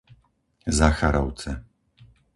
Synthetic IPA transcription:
zaxaɾɔw̪t͡sɛ

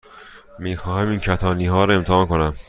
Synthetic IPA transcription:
miːxɒːɦæmiːncʰæt̪ʰɒːniːɦɒːɾɒe̞mt̪ʰehɒːnkonæm

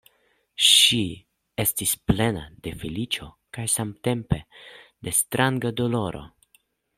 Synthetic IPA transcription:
ʃi | e̞stisple̞na̰d̪e̞filit͡ʃo̞ | kajsamt̪e̞mpe̞d̪e̞st̪ɾʔaŋɡad̪o̞lo̞ɾo̞̰

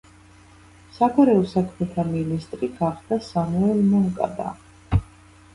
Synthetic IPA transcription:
sakʰaɾɛɔsakʰmɛt̪ʰaminist̪ʼɾiɡ̥aχd̪̥asamuɛlmɔŋkʼa̰d̪a̰

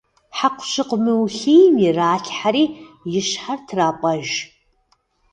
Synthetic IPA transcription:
ħaqʷʰʃɨqʷʼmɨwuɬejmjɪraːɬħaɾiːjɪʃħartʰraːpʷʼɐʒ

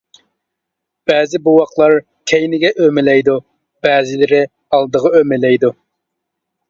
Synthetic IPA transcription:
b̥ɛːzɪbuwɑqlˠɑɾ | kʲʰɛjnɪɡʲɛʔømɪlɛjd̪u | b̥ɛːzɪlɪɾɪ | ɑlˠd̪əʁɑømɪlɛjd̪u

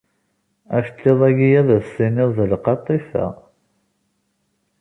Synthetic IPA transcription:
æfət̪ːeðˤæɡijæðæsːinɪʁðəlqɑt̪ˤːifæ̰

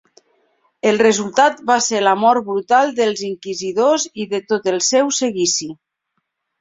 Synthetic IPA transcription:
əlˠrezulˠt̪at̪baselamɔɾ̚bɾut̪alˠd̪əlˠziŋkiziðoziðet̪ot̪əlˠsɛwseɣisi

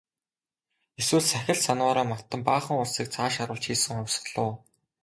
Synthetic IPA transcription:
eswŭːɮsæxʲɪ̆ɮsanwaːɾaːmat̪ːə̆mpaːχə̆ŋʊɮsiːk̚t͡sʰaːʃaɾə̆ɮt͡ɕxiːsɘ̆ŋʊwʲs̆ɮʊː

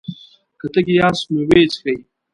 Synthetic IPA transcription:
kɐtɐkʲijaːsmewet͡ʃkɐj

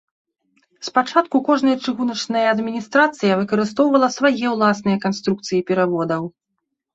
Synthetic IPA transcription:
spat͡ʂat̪kukɔʐnɐjɐt͡ʂɨɣunɐt͡ʂnɐjɐːd̪mʲinʲist̪ɾat̪sɨjɐvɨkɐɾɨst̪ɔwvɐlˠɐsvajɛwlˠasnɨjɐkanst̪ɾuk̚t̪sɨjipʲɛɾavɔd̪ɐw

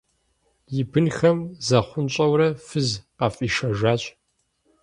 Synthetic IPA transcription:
jɪbɨnxɐmzɐχʷʊnɕʼɐwɾɐfɨzqɑfʼiːʃɐʒaːɕʼ

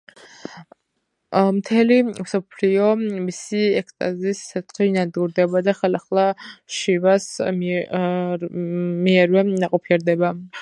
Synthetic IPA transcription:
mt̪ʰɛlimsɔpʰliɔmisiɛkst̪ʼa̰ziiːsːɛt̪χinad̪ɡuɾd̪ɛbad̪aχɛlaχlˠaʃivas | miɛɾvɛnaqʼɔpʰiɛɾd̪ɛba

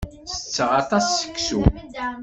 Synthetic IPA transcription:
sə̥t͡sːʁɑt̪ˤɑsːə̥kːsun

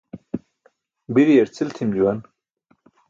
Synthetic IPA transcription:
biɾijɐɾt͡sʰilt̪ʰimd͡ʑuwɐn

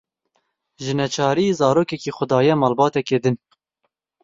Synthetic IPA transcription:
ʒɨnɛt͡ʃʰɑːɾizɑːɾoːkɛkiːxʊd̪ɑːjɛmɑːlbɑːt̪ɛkeːd̪ɨn

